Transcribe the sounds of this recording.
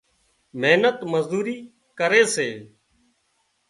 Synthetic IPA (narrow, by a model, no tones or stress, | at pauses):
meːnət̪məzd̪uːɾiː | kəɾeːseː